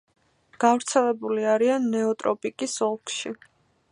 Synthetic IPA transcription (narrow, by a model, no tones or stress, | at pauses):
ɡ̥avɾt̪sʰɛlɛbuliaɾianːɛɔt̪ʼɾɔpʼikʼisɔlˠkʰʃi